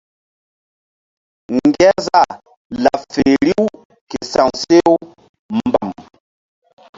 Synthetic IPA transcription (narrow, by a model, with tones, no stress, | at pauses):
ŋ˨ɡɛ˦za˦˨ | la˨fe˨ɾi˦w | ke˨sa˨ŋse˦w | mba˨m